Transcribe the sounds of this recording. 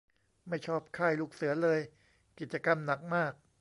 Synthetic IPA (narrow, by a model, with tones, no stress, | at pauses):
ma˥˩jt͡ɕʰɔː˥˩p̚kʰaː˥˩jluː˥˩k̚sɯ˩˦ɐlɤː˧j | ki˨˩t͡ɕa˧ka˧mna˨˩k̚maː˥˩k̚